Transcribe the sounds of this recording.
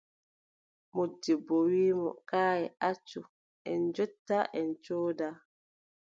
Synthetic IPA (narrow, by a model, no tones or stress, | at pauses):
modːibowiːmɔ̰kaːjɛʔat͡ʃːu | ʔɛnd͡ʒɔtːaʔɛnt͡ʃoːda